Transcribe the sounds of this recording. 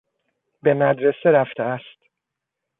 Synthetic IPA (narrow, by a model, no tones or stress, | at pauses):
be̞mæd̪ɾe̞seɾæft̪ʰeæst̪